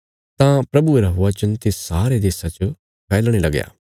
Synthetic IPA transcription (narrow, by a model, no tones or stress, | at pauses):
t̪ãpɾɐbueɾaɦʊat͡ʃɐnt̪essaːɾed̪eːsat͡ʃ | kɛːlɽ̃ilɐɡja̰ː